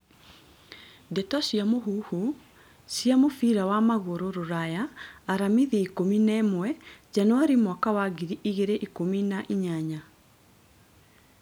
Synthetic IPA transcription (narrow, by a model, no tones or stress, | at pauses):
dɛtɔsjamoɦuhu | siamofiɾawamaɣoɾoɾoɾajaːɾamiðiikominaːmwɛd͡ʑanoaɾimwakawaɡiɾiʔiɣeɾeʔikominaʔiɲaɲa